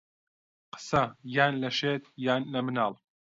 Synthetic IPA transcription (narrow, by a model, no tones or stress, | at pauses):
qə̥sɐjaːnlɐʃeːt̪jaːnlɐmɨnaːlˠ